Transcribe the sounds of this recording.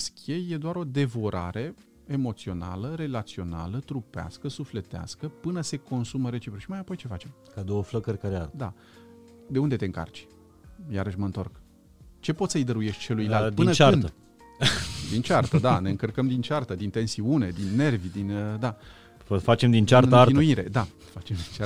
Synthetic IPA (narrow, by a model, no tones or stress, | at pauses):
skʲeje̞d̪oaɾo̞d̪e̞voɾʔa̰ɾe̞ | emo̞t̪sio̞na̰ləɾe̞lat̪sio̞na̰lət̪ɾupea̰skəsufle̞t̪ea̰skəpɨnəse̞ko̞nsuməɾe̞t͡ʃipɾuʃimajapo̞jt͡ʃe̞fat͡ʃe̞m | kad̪owəfləkəɾkəɾead̪a̰ | d̪e̞und̪e̞t̪e̞ɨŋka̰rt͡ʃʲ | jaɾəʃmənt̪o̞rk | t͡ʃe̞pot̪səjd̪əɾuje̞ʃt̪ʲt͡ʃe̞lujlalpɨnət͡ʃaɾɨnd̪ə | d̪int͡ʃart̪əd̪ane̞ɨŋkərkəmd̪int͡ʃart̪əd̪int̪e̞nsiune̞d̪inːe̞rvʲd̪inəd̪a | fəfat͡ʃemd̪int͡ʃartɨəarinuiɾe̞̰d̪a | fat͡ʃe̞md̪int͡ʃa